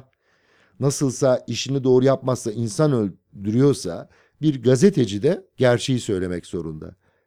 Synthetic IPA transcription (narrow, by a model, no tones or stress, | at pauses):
nasɯlˠsaiʃinid̪o̞ːɾujapmasːainsanølʲ | d̪yɾyjo̞ɾsa̰ | biɾɡazet̪ʰe̞d͡ʒid̪ɛɟ̥æɾt͡ʃʰe̞jisø̞jlʲe̞mɛcz̥o̞ɾṵnd̪a̰